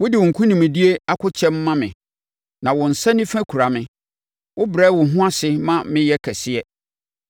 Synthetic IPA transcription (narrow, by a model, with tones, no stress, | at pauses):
wʊ˦dɪ˨wʊ̃˨ŋ̩˨kʰũ˦nĩ˨mɪ̃˨di˦e˦a˦kʰʊ˦t͡ɕʰɛ̃˦mː˦ã˦mɪ̃˨ | nã˨wɔ̃˨n̩˨sɛ̃˦nɪ̃˦fæ̃˦kʰu˨ɾa˨mɪ̃˨ | wʊ˦bɾɛː˦wʊ̃˨ɦʊ̃˦a˦sɪ˦mã˦mɪ̃˦jɛ˦kʰæ˨sɪ˦ɛ˦